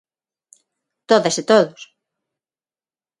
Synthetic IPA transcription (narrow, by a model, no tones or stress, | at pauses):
t̪oðɐset̪oðʊs